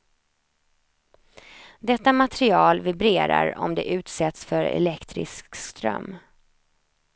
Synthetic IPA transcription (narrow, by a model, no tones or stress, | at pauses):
d̪ɛt̪ːamat̪ɾɪɑːlvɪbɾeːɾaɾɔ̰md̪ɛʔʉ̟ːt̪sɛt̪sfœɾɛ̰lɛkt̪ɾɪ̰skkst̪ɾœ̰mː